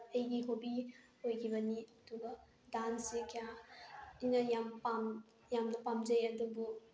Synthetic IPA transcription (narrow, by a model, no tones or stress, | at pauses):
ejɡiɦobi | hojkʰiβɐniɐduɡɐ | dansikʰija | ijnɐjampam | jamnɐpamd͡ʒejɐdubu